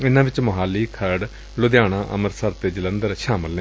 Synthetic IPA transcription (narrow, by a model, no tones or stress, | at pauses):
ɪnãːʋɪt͡ʃməɦaːliːkʰəɾɖ | lʊd̪jaːɽ̃ãːʔəməɾsəɾt̪eːd͡ʒələ̃nd̪əɾʃaːməlnẽ